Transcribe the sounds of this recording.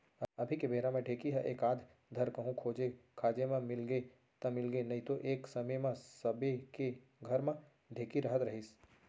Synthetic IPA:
əbʱikebʱeɾãmẽɖʱeːkiɦəʔeːkaːd̪ʱ | d̪ʱəɾkəɦũkʰoːd͡ʒekʰaːd͡ʒemãmɪlɡe | t̪ɐmɪlɡenɐit̪oʔeːksəməjmãsəbeke | ɡʱəɾmã | ɖʱeːkiɾəɦət̪ɾəɦis

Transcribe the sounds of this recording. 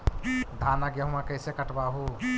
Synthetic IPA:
d̪ʱanaɡjəɦumãkəɪsekəʈbaɦu

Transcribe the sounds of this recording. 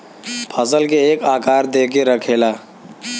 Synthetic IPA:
pʰəsəlkeeːkaːkaːɾd̪eːk̬eɾəkʰeːlaː

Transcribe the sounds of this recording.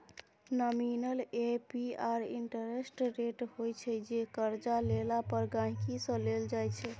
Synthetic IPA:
nɔminəlepiaɾḭɳʈəɾesʈɾeʈhojt͡ʃʰɛd͡ʒekəɾd͡ʒalelapəɾɡãɦĩkisə̃leld͡ʒajt͡ʃʰɛ

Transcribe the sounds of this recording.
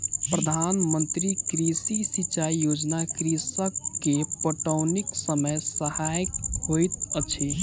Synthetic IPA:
pɾəd̪ʱanmənt̪ɾikɾisisit͡ʃaijod͡ʒnakɾisəkːepoʈəwniksəməjsəhajkhojt̪̚ət͡ʃʰi

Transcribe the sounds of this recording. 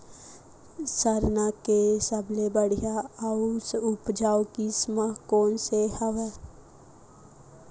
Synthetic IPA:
səɾnakesəbʱlebəɽ̤ijaausʊpd͡ʒaːwkisməɦkoːnsehəʋɛ

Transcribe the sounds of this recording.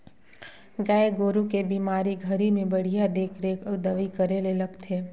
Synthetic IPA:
ɡajɡoɾukebimaɾiɡʱəɾimẽbəɽ̤ijad̪ekʰɾekəd̪əʋikəɾeleləɡt̪ʰe

